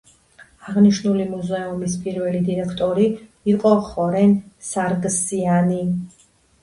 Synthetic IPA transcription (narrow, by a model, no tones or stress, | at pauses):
aʁniʃnulimuzɛumispʼiɾvɛlid̪iɾɛkʰt̪ʼɔɾi | iqʼɔχɔɾɛnsaɾɡsiani